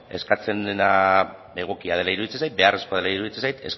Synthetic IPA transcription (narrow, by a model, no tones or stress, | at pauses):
e̞skat͡se̞nd̪ena | e̞ɣ̞okiaðe̞laiɾuðit͡sensajt̪̚be̞are̞skoaðelaiɾuðit͡sensajt̪e̞s